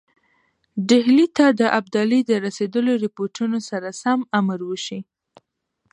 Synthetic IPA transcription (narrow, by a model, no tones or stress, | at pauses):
ɖɪɦlit̪ad̪əʔab̚d̪ɑlid̪əɾased̪əloɾɪpoɾʈʰunosaɾasamamaɾwəʃi